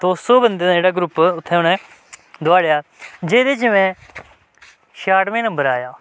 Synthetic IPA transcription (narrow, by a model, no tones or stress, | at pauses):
t̪oːsoːbənd̪eːd͡ʒeːɽaːɡɾʊpːʊt̪ʰːɛ̃ːʊnɛ̃ː | d̪ʊaːɽejaːd͡ʒeːd̪eːt͡ʃmɛ̃ː | ʃaːʈmẽːnə̃mbəɾaːjaː